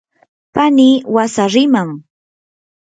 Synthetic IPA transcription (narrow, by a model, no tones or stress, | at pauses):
paniːwasaɾɪmaŋ